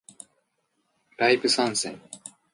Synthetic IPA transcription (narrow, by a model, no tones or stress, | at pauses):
ɾaipɯ̟sãɰ̃sḛ̃ŋ